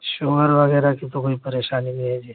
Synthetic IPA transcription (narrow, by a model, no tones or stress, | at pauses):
ʃoəɾʋəɡeɾakit̪okoipəɾeʃanimiɦed͡ʒe